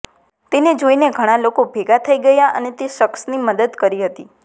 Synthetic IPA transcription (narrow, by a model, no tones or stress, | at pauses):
t̪ened͡ʒoineɡʱəɽ̃ãlokobʱeɡat̪ʰəiɡəjaʔə̰net̪eʃəksniməd̪əd̪kəɾiɦət̪i